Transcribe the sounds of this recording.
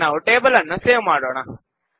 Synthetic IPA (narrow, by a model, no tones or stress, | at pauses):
aːʋuʈeːbɐlɐnːuseːʋmaːɽoːɳɐ